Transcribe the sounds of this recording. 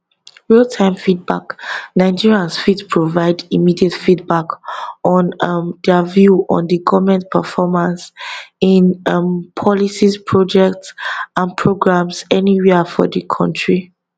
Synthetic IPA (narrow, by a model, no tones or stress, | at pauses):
ɹiltʰãɪ̃mfid̚baknaɪd͡ʒiɹiãnsfitpʰɹovaɪdimidiətfidbakɔ̃nʌmdɛəvjuʔɔ̰̃ndəɡɔvmɛ̃ntpʰəfɔmãnsĩnʌmpʰɔlisispʰɹɔd͡ʒɛk̚tsãnpʰɹoɡɹãmsɛniwifɔ̰dəkʰɔ̰̃ntʰɹi